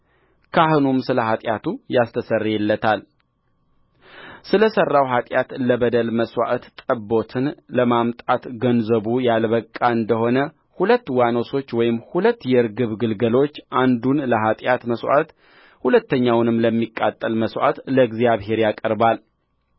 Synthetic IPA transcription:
kʰahɨnumsɨləhat̪ʼjat̪ʰujast̪ʰəsərːjɛlːət̪ʰal | sɨləsərːawɦat̪ʼjat̪ləbəd̪əlməswa̰ʔt̪t̪ʼəbːo̞t̪ʰɨnləmamt̪ʼat̪ɡənzəβujalbəkʼːaɨnd̪əho̞nə | hulət̪ːwano̞so̞t͡ʃːwɔjɪmhulət̪ːjɛɨɾɡɨβɡɨlɡəlo̞t͡ʃːʔand̪unləɦat̪ʼjat̪məswʔa̰t̪ | hulət̪ːəɲːawnɨmləmːikʼːat̪ʼːəlməswʔa̰t̪ləɡzjaβɦe̞ɾjakʼəɾbal

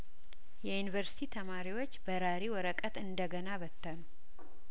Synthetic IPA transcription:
jɛjunivəɾsi̥t̪ʰit̪ʰəmaɾiwo̞t͡ʃːbəɾaɾiwɔɾəkʼət̪ɨnd̪əɡənaβət̪ːənu

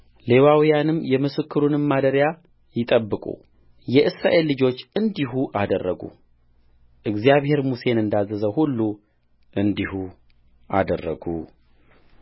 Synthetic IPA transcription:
le̞wawijanɨmːjɛmɨsɨkʰːɨɾunɨmːad̪əɾja | jɪt̪ʼəbːɨkʼṵ | jɛʔɨsɾa̰ʔe̞lːɨd͡ʒo̞t͡ʃːɨnd̪ihuʔad̪ərːəɡṵ | ʔɨɡzijaβhe̞ɾmuse̞nɨnd̪azːəzəhulːu | ʔɨnd̪ihu | ʔa̰d̪ərːə̰ɡṵ

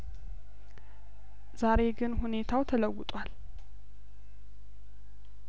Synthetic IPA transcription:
zaɾe̞ɡɨnhune̞t̪ʰawt̪ʰələwːʊt̪ʼwal

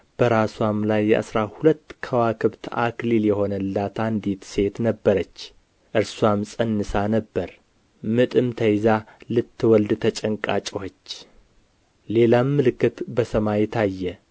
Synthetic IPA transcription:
b̥əɾaswamlajːɛ̰ʔa̰sɾahulət̪ːkʰəwakʰɨβt̪akliljɛho̞nəlːat̪ʰand̪it̪se̞t̪nəbːəɾət͡ʃː | ʔɨɾsuwamsʼənːɨsanəbːəɾ | mɨt̪ʼɨmt̪ʰəjzalɨt̪ːɨwɔld̪t̪ʰət͡ʃʼəŋkʼat͡ʃʼɛwot͡ʃː | le̞lamːɨlɨkːɨt̪bəsəmajɛt̪ʰajːɛ

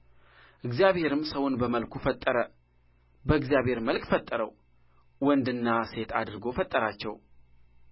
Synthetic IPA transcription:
ʔɨɡzijaβhe̞ɾɨmsəwʊnbəməlkʷʰufət̪ʼːəɾə | bəɨɡzijaβhe̞ɾməlkʼfət̪ʼːəɾəw | wɔnd̪ɨnːase̞t̪ʰad̪ɨɾɡo̞fət̪ʼːəɾat͡ʃːɛ̰w

